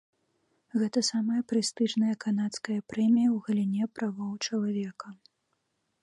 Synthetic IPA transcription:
ɣɛt̪ɐsamɐjɐpɾɨst̪ɨʐnɐjɐkanat̪skɐjɐpɾɛmʲijɐwɣɐlʲinʲɛpɾavɔwt͡ʂɐlˠavʲɛkɐ

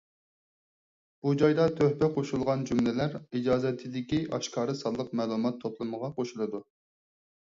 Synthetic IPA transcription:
b̥ud͡ʒɑjd̪ɑt̪ʰøhpɛqʰoʃulˠʁɑnd͡ʒumlɛlæɾid͡ʒɑːzɛt̪ʰːɪd̪ɪkʲiʔɑ̰ʃkʰɑːɾɨsɑlˠːəqmæːlˠumɑt̪ʰːopʰlˠɨməʁɑqoʃulˠɨd̪u

